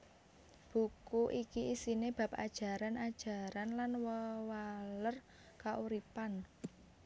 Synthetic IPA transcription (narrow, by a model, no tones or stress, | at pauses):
b̥ṳkuʔikiisineb̥ä̤p̚a̰d̥ʒ̥ä̤ɾanad̥ʒ̥a̤ɾanlanwəwalər | kaʔuɾipan